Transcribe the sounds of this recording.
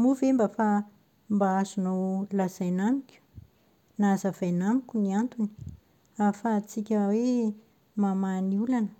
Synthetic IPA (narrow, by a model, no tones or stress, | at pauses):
muvembafa | mbaazunawlazajnamikʲu̥ | nazavajnamikʲuniant̪uni̥ | afat͡sikʲəwe | mamaniulanə̥